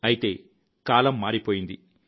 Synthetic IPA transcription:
ɐjit̪e̞̰ː | kaːlɐmːaːɾipo̞ːjind̪i

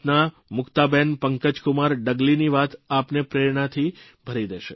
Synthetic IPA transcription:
na | mʊkt̪abenpəŋkəd͡ʒkʊmaɾɖəɡliniʋat̪apnepɾeɾɳat̪ʰi | bʱəɾid̪eʃe

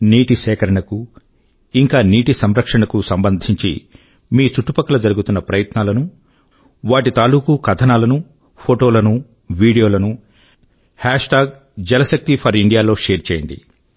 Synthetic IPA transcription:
niːʈisɛːkɐɾɐɳɐku | iŋkaːniːʈisɐmɾɐkʂɐɳɐkusɐmbɐnd̪ʱiɲt͡ʃḭ | miːt͡ʃuʈːupɐkːɐlɐd͡ʒɐɾuɡut̪unːɐpɾɐjɐt̪naːlɐnu | ʋaːʈit̪aːluːkukɐt̪ʰɐnaːlɐnu | pʰoːʈo̞ːlɐnu | ʋiːɽijo̞ːlɐnu | haːʂʈaːɡ̚ | d͡ʒɛlɐsɐk̚t̪ipʰɐɾiɳɖijaːlo̞ːʂeːɾt͡ʃeːjɐɳɖḭ

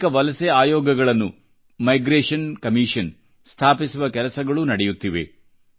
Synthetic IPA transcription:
kɐʋɐlɐseaːjɔːɡɐɡɐɭɐnːu | mɐjɡɾeːʂɐnkɐmiːʂɐn | st̪ʰaːpisuʋɐkɛlɐsɐɡɐɭunɐɽɛjut̪ːiʋe̞̰

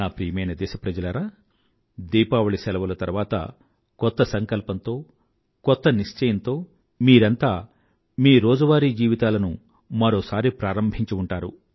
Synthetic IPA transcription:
naːpɾiːjɐmɐjnɐd̪ɛːʃɐpɾɐd͡ʒɐlɐɾaː | d̪iːpaːʋɐɭisɛlɐʋɐlɐt̪ɐɾʋaːt̪ɐ̰ | kɔt̪ːɐsɐŋkɐlpɐnt̪o̞ː | kɔt̪ːɐniʂt͡ʃɐjɐnt̪o̞ː | miːɾɐnt̪aː | miːɾoːd͡ʒɐʋaːɾiːd͡ʒiːʋit̪aːlɐnu | mɐɾoːsaːɾipɾaːɾɐmbʱiɲt͡ʃiuɳʈaːɾṵ

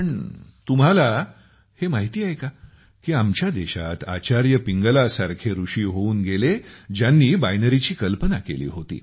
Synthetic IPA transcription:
əɳt̪um̤ɦala | hemaɦit̪iːajeka | kiːamt͡ɕjad̪eɕa̰t̪a̰t͡ɕaɾjəpiŋɡəlasaɾkʰeɾuʂiːɦouːnɡeled͡ʑjanːiːbajnəɾit͡ɕiːkəlpənakḛlḭːɦot̪ḭː

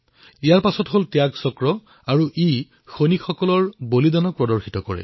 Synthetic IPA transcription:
ijaɹpasɔtɦoltɛjaksɔkɹɔ | aɹuʔi | xonixɔkɔlɔɹbolidanɔk̚pɹɔdɔɹxitɔkɔɹɛ̰

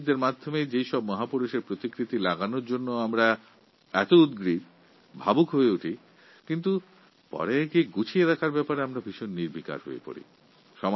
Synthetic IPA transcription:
d̪eɾmad̪ʱːomed͡ʑejʃɔbmɔɦapuɾuʃeɾpɾot̪ikɾit̪ilaɡanoɾd͡ʑonːoamɾa | ɛt̪oud̪ɡɾiɾ | bʱabukɦoeuʈʰi | kint̪u | pɔ̰ɾekiɡut͡ɕʰieɾakʰaɾbɛpaɾeamɾabʱiʃonːiɾbʱika̰ɾɦo̰ḛpo̰ɾḭ | ʃɔm

